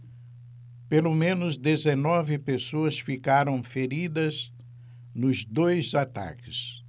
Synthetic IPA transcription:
pelomẽnʊzd̪ezenɔvɪpesoɐsfikaɾɐ̃w̃feɾid̪ɐz | nʊzd̪ojzat̪a̰kɪs

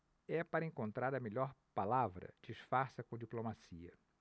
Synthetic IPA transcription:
ɛpaɾɐẽŋkõnt̪ɾaɾɐmeʎɔɾpalavɾɐ̰d͡ʒiʃfaɾsɐkõd͡ʒiplomasiɐ̰

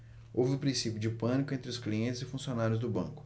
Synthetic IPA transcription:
owvɪʊpɾĩsipjʊd͡ʒɪpɐ̃nikʊẽnt̪ɾɪʊskliẽnt͡ʃɪzɪfũsionaɾjʊzd̪ʊbɐ̰̃kʊ̥

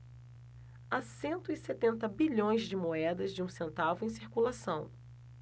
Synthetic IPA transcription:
asẽnt̪ʊiset̪ẽnt̪ɐbiʎõj̃zd͡ʒɪmoɛd̪ɐzd͡ʒɪũsẽnt̪avʊẽj̃siɾkulasɐ̃w̃

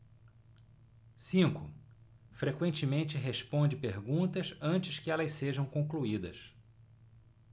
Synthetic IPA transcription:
sĩkʊ | fɾekwẽnt͡ʃɪmẽnt͡ʃɪɦeʃpõnd͡ʒɪpeɾɡũnt̪ɐsɐ̃t͡ʃɪskɪɛlɐsseʒɐ̃w̃kõŋkluid̪ɐ̰s

